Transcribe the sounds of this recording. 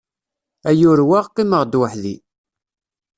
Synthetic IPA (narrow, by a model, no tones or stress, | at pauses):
æjʊɾwaʁqːiməʁd̪wəħlḭ